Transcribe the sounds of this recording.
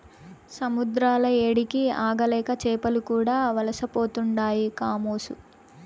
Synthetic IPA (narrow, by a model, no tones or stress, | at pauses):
sɐmud̪ɾaːlɐeːɽikiaːɡɐlɛːkɐt͡ʃɛːpɐlukuːɽaːʋɐlɐsɐpo̞ːt̪uɳɖaːjikaːmoːsu